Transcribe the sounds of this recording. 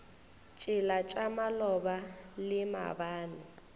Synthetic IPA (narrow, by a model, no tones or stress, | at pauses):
t͡ʃʼɪlat͡ʃʼamalɔbalɪma̰baːna